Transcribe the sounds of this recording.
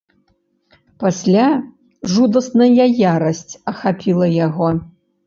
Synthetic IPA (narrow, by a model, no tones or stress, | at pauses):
pasʲlʲa | ʐud̪ɐsnɐjajaɾɐsʲt͡sʲɐxapʲilˠɐjaɣɔ